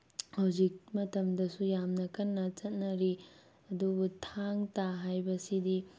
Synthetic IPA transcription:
hɐwzik̚mɐtʰɐmdɐsujamnɐkɐnːɐt͡ʃɐt̚nɐɾi | ɐdubutʰaŋtaɦajbɐsidi

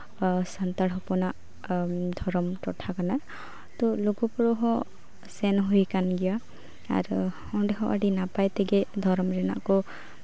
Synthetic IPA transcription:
sant̪aɽɦɔpɔnaʔ | d̪ʱɔɾɔmtɔʈʰakana | t̪ɔloɡɔpɔɹɔɦɔ | sɛnɦujkanɡija | a̰ɾhɔ̃ɖɛɦɔʔa̰ɖinapajt̪eɡɛd̪ʱɔɾɔmɾɛna̰ʔkɔ

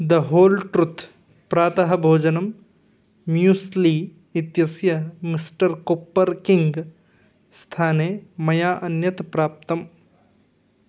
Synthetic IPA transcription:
d̪ɐɦoːlʈɾʊt̪ʰ | pɾaːt̪ɐɦɐ̆bʱoːd͡ʒɐnɐm | mjuːsliː | it̪jɐsjɐmisʈɐɾkopːɐɾkiŋɡ | st̪ʰaːneːmɐjaːʔɐnjɐt̪pɾaːp̚t̪ɐm

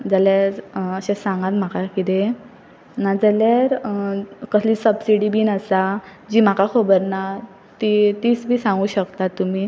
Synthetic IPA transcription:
d͡zəljaɾəɕesãŋɡãt̪m̤akakit̪e | nad͡zəljaɾ | kəslisəbsiɽibiːnəsad͡ʑim̤akakʰəbəɾna | t̪it̪it͡sbʱiːsãŋɡuːɕəkt̪at̪ːum̤iː

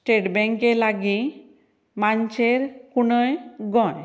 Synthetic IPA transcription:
sʈeʈbɛŋkelaɡĩ | maɲt͡ʃeɾkunəjɡɔ̃j

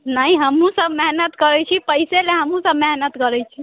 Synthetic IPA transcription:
naiɦəmũsəbmeɦnət̪kəɾɛt͡ʃʰipəɪseleɦəmũsəbmeɦnət̪kəɾɛt͡ʃʰi

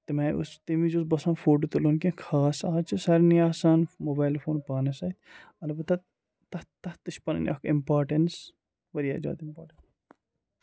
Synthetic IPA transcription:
t̪imɐːʔṵst̪imid͡ʒosbɐsɐ̃ːnfoːʈ̬ut̪ulonkẽkʰaːsaːt͡ʃisɐɾnijaːsaːnmoːbaːlfoːnpaːnɐsɐt̪̚ | ɐlɐbɐt̪ɐ | t̪ɐt̪ɐht̪ɨʃpɐnɐ̰nʲʔɐ̰kʰimpaːɾʈɐns | ʋɐɾijaːd͡ʒa̰ːd̪impaːɾʈɐn

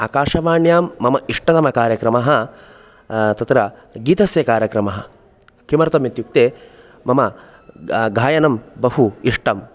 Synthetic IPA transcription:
a̰ːkaːʂɐʋaːɳjaːmːɐmɐʔiʂʈɐt̪ɐmɐkaːɾjɐkɾɐmɐɦɐ | t̪ɐt̪ɾɐ | ɡiːt̪ɐsjɐkaːɾjɐkɾɐmɐɦɐ | kimɐɾt̪ɐmit̪juk̚t̪eː | mɐmɐ | ɡʱaːjɐnɐmbɐhuiʂʈɐm

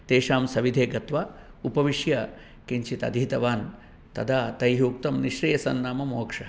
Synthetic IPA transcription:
t̪eːʂaːmsɐʋid̪ʱeːɡɐt̪ʋaːupɐʋiʂjɐ | kiɲt͡ʃit̪ɐ̰d̪ʱit̪ɐʋaːn | t̪ɐ̰d̪aːt̪ɐjɦuːk̚t̪ɐmniʃɾijɐsɐ̰nːaːmɐmoːkʂɐ

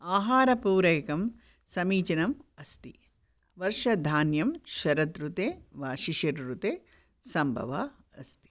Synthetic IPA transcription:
aːɦaːɾɐpuːɾɐjkɐm | sɐmiːt͡ʃɐnɐmɐst̪i | ʋɐɾʂɐd̪ʱaːnjɐmʃɐɾɐt̪ɾut̪eːʋaːʃiʃɐɾɾut̪eː | sɐmbʱɐ̰ʋa̰ | ɐ̰st̪i̥

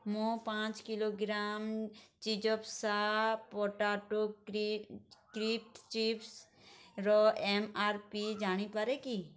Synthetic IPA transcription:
mõpãːt͡ʃkɪloɡɾaːmt͡ʃid͡ʒɔpsapɔːʈaːʈo | kɾiːp̚ʈt͡ʃiːps | ɾɔemaːɾpid͡ʒaːɽ̃ipəɾeki

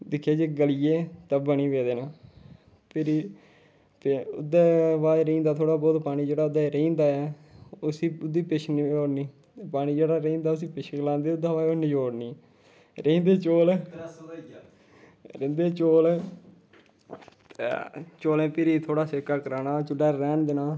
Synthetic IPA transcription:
d̪ɪkʰːjeːd͡ʒiɡəlijeːt̪əbəniːʋeːd̪eːnaː | pɪɾiː | pʊ̰d̪eːʋaːɾĩːnd̪aːt̪ʰoːɽaːbɔːt̪paːñiːd͡ʒeːɽaːʊd̪eːɾeːnd̪aːɛː | ʊsiːʊd̪iːpɪʃnioːniː | paːɽ̃iːd͡ʒeːɽaːɾeːnd̪aːʊs̬ĩːpɪʃʰɡəlãːnd̪eːʊd̪aːʋaːjoːnĩːd͡ʒoːɽniː | ɾẽĩːnd̪eːt͡ʃoːl | ɾɪnd̪eːt͡ʃoːl | t̪ːt͡ʃoːlẽːpɪɾiːt̪ʰoːɽaːsɪkːaːkəɾaːnaːt͡ʃʊɖaːɾɛːnd̪ɪnaː

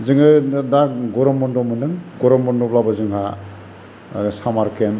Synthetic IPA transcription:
zɯŋɯdaɡɔɾɔmbɔndɔmɯnɯŋɡɔɾɔmbɔndɔblabazɯŋɦa | samaɾkem

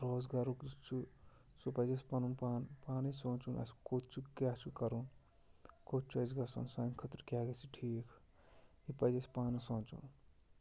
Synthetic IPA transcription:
ɾoːzɡaɾukt͡ʃʰu | sopɐjespɐnunpaːnpaːnesõnt͡ʃunʔɐ̰skot̪t͡ʃʰukaːt͡ʃʰukɐɾun | kot͡ʃʰɐzɡɐsɐ̰nsankʰɐt̪ɾkʲjaːɡɐsʰiʈʰiːkʰ | ipɐjd͡ʒespaːnɐsõːnt͡ʃṵn

